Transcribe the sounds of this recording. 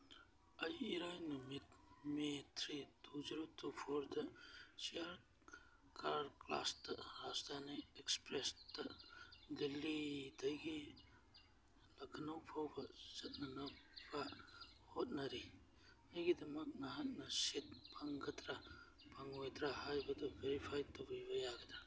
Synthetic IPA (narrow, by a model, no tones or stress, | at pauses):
ɐjiɾajnumit̪met̪ʰɾid̪ud͡ʒɾut̪upʰoɾd̪ɐsiaɾ | kaɾkla̰st̪ɐɾast̪aneekspɾest̪ɐd̪ilːid̪ɐjɡi | lɐkʰnawpʰawbɐz̥ɐt̚nɐnɐbahot̚nɐɾi | najɡidɐmɐk̚naɦat̚nɐsit̚pʰaŋɡɐtɾa | pʰaŋojt̪ɾahajbɐdɐbeɾipʰajtobibɐjaɡɐdɾa